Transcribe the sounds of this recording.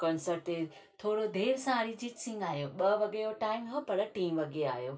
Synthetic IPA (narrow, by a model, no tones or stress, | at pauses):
kɐ̃nsəɾʈt̪e | t̪ʰoːɽod̪ʱeːɾsãːɾid͡ʑiːʈsɪ̃ŋɡaːɦjoːɓɐʋɐɡejoʈaːɪmɦɐpɐɾʈiːmʋɐɡea̰ːɦjoː